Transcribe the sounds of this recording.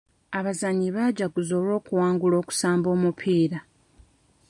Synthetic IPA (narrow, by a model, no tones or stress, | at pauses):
aβazaɲːiβaɟaɡuzo̞lo̞ːkuwaːŋɡulo̞ːku̥saːmbo̞ːmupʰiːɾa